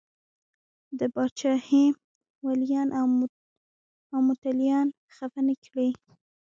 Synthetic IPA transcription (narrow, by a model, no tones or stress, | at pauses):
d̪əbɑt͡ʃɑhe | waljɑnʔ | awmʊt̪aljɑn | xafənekɽi